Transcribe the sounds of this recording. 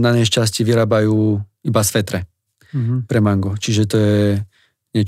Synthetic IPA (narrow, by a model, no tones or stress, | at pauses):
naɲɛʃt͡ʃas̬ciʋiɾaːbajuːibasʋɛt̪ɾɛ | pɾɛmaŋɡɔt͡ʃiʒɛt̪ɔjɛ | ɲɛ